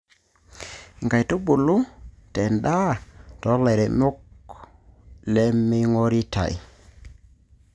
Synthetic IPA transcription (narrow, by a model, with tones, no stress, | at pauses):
ŋɡa˨jto˦bu˨lu˦te˨nɗa˦tɔ˨˦le˨ɾe˨mu˦k̚ | le˦mːi˦ŋo˦ɾi˦ta̰˨j